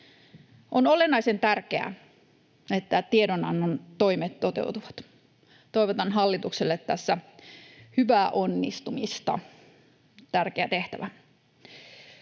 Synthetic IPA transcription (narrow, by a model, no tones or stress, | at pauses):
ʔono̞lenɑise̞nt̪ærkeæ̰ | et̪ːæt̪iedonɑnːont̪o̞imet̪t̪o̞t̪ḛut̪uʋɑt̪ | t̪o̞iʋot̪ɑnɦɑlːit̪ukselːet̪ːæsːæ | hyʋæːʔo̞nːist̪umist̪ɑ̰ | t̪ærkeæt̪e̞ht̪æʋæ